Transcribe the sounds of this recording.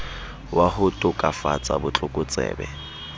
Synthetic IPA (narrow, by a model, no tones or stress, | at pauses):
wahʊtʼʊkʼafa̰t͡sʼabʊt͡ɬʼʊkʼʊt͡sʼɛ̰ːbɛ